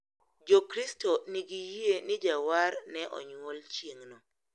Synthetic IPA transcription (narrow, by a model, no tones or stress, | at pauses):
d͡ʒokɾistɔniɡijienɪd͡ʒawaɾnɛʔɔ̰ɲwɔlt͡ʃjeŋnɔ